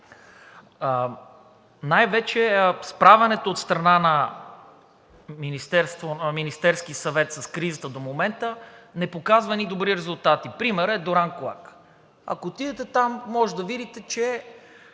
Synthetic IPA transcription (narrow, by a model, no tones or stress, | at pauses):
najvɛt͡ʃɛspɾavɛnɛt̪oːt̪st̪ɾɐnanɐ | minist̪ɛɾst̪vonminist̪ɛɾsk̟isɐvɛt̪sɐskɾizət̪əd̪omomɛnt̪ənɛpokazvɐnid̪obɾiɾɛzʊlˠt̪at̪ipɾimɛɾɛd̪oɾanklˠa̰k | ɐ̰koːt̪id̪ɛt̪ɛt̪amːɔʒɛd̪ɐvid̪it̪ɛt͡ʃɛ